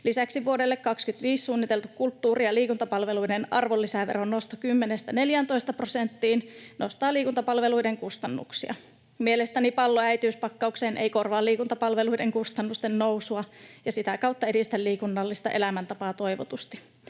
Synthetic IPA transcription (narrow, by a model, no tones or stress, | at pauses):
lisæksiʋuodelːekkɑkskyt̪ʋiːssuːnːit̪e̞lt̪ukkult̪ːuːriɑliːkunt̪ɑpɑlʋeluidenʔɑrʋolːisæʋeɾonːost̪ɑkymːenest̪æne̞ljænt̪o̞ist̪ɑprosent̪ːiːnnost̪ɑːliːkunt̪ɑpɑlʋeluijdeŋkust̪ɑnːṵksiɑ̰ | mielest̪ænipɑlːoæjt̪iyspɑkːɑukseːnʔeikorʋɑːlːiːkunt̪ɑpɑlʋeluideŋkust̪ɑnːust̪ennousuɑjɑsit̪ækɑwt̪ːɑedist̪ælliːkunːɑlːist̪ɑʔelæmænt̪ɑpɑːt̪o̞jʋot̪ust̪i̥